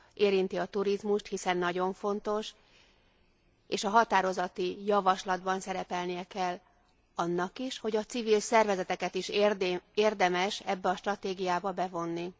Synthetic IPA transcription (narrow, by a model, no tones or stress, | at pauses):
ʔeːɾint̪iɒt̪uɾizmuʃt̪hisɛnːɒɟo̞ɱfo̞nt̪o̞ʃ | eːʃɒɦɒt̪aːɾo̞zɒt̪ijɒvɒʃlɒd̪bɒnsɛɾɛpɛlnijɛkɛlː | ɒnːɒkiʃho̞ɟɒt̪sivilsɛrvɛzɛt̪ɛkɛt̪iʃreːrd̪ɛmɛʃɛbːɛɒʃt̪rɒt̪eːɡijaːbɒbɛvo̞nːi